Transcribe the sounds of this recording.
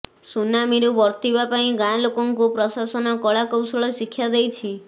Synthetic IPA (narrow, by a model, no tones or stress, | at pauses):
sunamiɾubɔɾt̪ibapaĩɡajlokɔŋkupɾɔsasɔnɔkɔɭakɔwsɔɭɔsikʰːjad̪ejt͡ʃʰi